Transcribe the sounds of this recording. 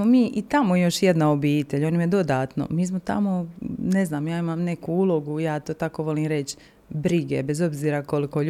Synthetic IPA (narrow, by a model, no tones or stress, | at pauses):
momiːʔit̪amojo̞ʃjed̪naobiːt̪eʎonimjed̪o̞d̪aːt̪no̰miːs̬mo̞t̪a̰mo̞neznaːmjaːimaːmne̞kuulˠo̞ɡujaːt̪oːt̪ako̞ʋo̞liːmɾe̞t͡ɕ | bɾiɡebezo̞bziːɾako̞liko̞